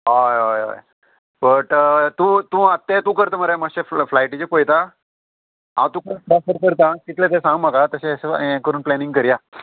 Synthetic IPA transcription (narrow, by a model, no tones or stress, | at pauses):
ɦajaja̰j | bəʈt̪ũːt̪ũat̪ːẽt̪ũkəɾt̪aməɾeməɕeflajʈit͡ɕekojt̪a | ɦã̰t̪ũkəɾunpɾafəɾkəɾt̪ãkit̪lẽt̪̬esãŋɡmaɡat̪əɕẽseekəɾuːnplɛniŋɡkəɾja